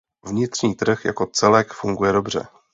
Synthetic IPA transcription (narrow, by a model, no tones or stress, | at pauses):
vɲɪt̪r̝̥ɲiːt̪r̩xja̰ko̞t͡sɛlɛkfuŋɡujɛdo̞br̝ɛ̰